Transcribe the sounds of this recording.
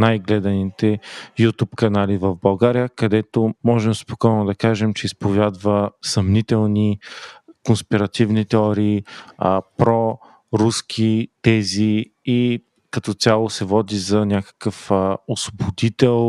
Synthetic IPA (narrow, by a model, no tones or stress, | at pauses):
najɡlɛd̪ɐnit̪ɛjut̪upkɐnalivəvbɐlˠɡaɾijəkɐd̪ɛt̪omɔʒɛmspokɔjnʊd̪ɐkaʒɛmt͡ʃɛispovjad̪vəsɐmnit̪ɛlˠni | konspiɾɐt̪ivnit̪ɛɔɾiːəpɾɔ | ɾuskʰit̪ɛzi | i | kɐt̪ɔt̪sʲalˠosɛvɔd̪izɐnʲakə̥kəfəosobod̪it̪ɛlˠ